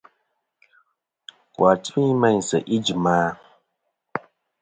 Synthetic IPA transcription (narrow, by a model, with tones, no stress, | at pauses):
kwa˨tmi˦mɛ˦˨n̩˨sə˨ʔi˦d͡ʒi˨maː˦